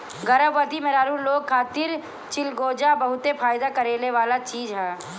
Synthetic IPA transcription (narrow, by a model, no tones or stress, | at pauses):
ɡɐɾəbʋət̪imeɾaːɾuloːɡ̚kʰːaːt̪ɪɾ | t͡ʃɪlɡoːd͡ʒabɐɦʊt̪efaːjd̪akɐɾeːleʋaːlat͡ʃiːzɦɛː